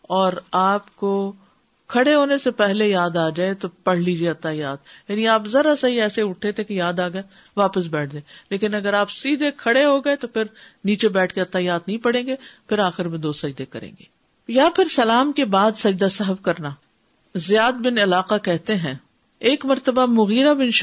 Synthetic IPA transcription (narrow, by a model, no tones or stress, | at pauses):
ɔːɾaːpko | kʰɐɽeɦoːnesepɛɦlejaːd̪aːd͡ʒaːet̪opɐɽ̤liːd͡ʒieɐt̪ːajaːd̪̚jaːniaːpzɐɾasɐɦiɛːseʊʈʰːet̪ʰekejaːd̪aːɡɐe | ʋaːpəs̬bɛːʈ̚ʰd͡ʒaːleːkɪnɐɡəɾaːpsiːd̪ʱekʰɐɽeɦoɡɐet̪opʰɪɾniːt͡ʃebɛːʈʰkeɐt̪ːajaːd̪̚nɐɦĩpɐɽ̤ẽːŋɡepʰɪɾaːxɪɾmẽd̪oːsɐd͡ʒd̪ekɐɾḛ̃ːŋɡeː | japʰɪɾsɐlaːmkebaːd̪sɐd͡ʒd̪asɛɦəfkɐɾnaː | zɪjaːd̪̚bɪnɪlaːqakɛɦt̪eɦɛ̃ː | eːkmɐɾt̪əbamʊɣiːɾabɪnʃ